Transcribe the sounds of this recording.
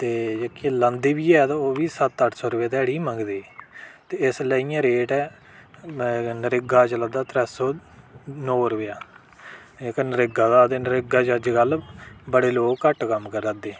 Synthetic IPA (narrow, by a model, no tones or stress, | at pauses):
t̪eːd͡ʒekilənd̪eːbiːɛːt̪ãoːʋiːsət̪əʈʰsɔːɾʊjaːt̪ɛːɽiːməŋɡd̪eːt̪eːɪsləːijãːɾeːʈɛː | nəɾɪɡaːt͡ʃələ̃d̪aːt̪ɾɛːsɔː | nɔːɾʊʋjaː | eknəɾɪɡãːd̪aːt̪eːnəɾɪɡaːt͡ʃəd͡ʒkəlbəɽeːloːkkːəʈkəmːkəɾəd̪eː